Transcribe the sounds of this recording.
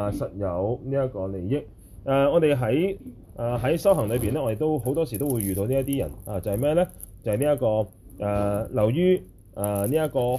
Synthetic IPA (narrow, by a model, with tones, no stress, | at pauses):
sɐ˨t̚jɐ˨˧wniː˥jɐ˥t̚kɔː˧le˨˩jjɪ˥k̚ | ʔaː˨˧ŋɔː˨˧t̪e˨jɦɐ˨˥j | ʔaː˨ɦɐ˨˥jsɐ˥wɦɐ˨˩ŋlɵ˨˧ɥpiː˨nɛː˥ŋɔː˨˧e˨˩jt̪o˥wɦo˨˥wt̪ɔː˥s̬iː˨˩t̪o˥wuː˨˧jɥyː˨t̪o˧niː˥ɐ˥t̪iː˥jɐ̰˨˩naː˨t͡sɐ˨whɐ˨jmɛː˥˧lɛː˥ | t͡sɐ˨whɐ˨jniː˥jɐ˥t̚kɔː˧ | ʔaː˨lɐ˨˩wjyː˥ | aː˨niː˥jɐ˥t̚kɔː˧